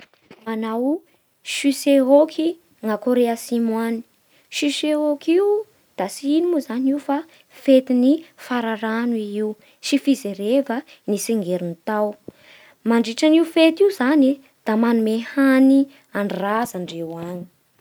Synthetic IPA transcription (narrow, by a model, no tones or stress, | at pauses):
manaw | ʃyseɦokʰi | ŋakoɾeasimani̥ | ʃyseokiw | d̪̥asiinimuzaniufa | fet̪inifaɾaɾanuiiw | ʃifizeɾevə | niseŋɡeɾunit̪aw | maɳɖ͡ʐiʈ͡ʂaniufet̪iuzani | d̪̥amanumehani | aɳrazaɳɖ͡ʐewani̥